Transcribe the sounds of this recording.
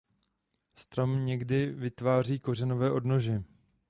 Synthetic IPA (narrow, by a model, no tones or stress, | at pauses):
st̪ɾo̞mɲɛɡdɪvɪt̪vaːr̝iːko̞rɛno̞vɛːʔo̞dno̞ʒɛ